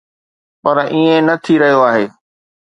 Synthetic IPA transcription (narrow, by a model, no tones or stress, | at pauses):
pɐɾʔiːẽnɐt̪ʰiɾɐɦijoaːɦeː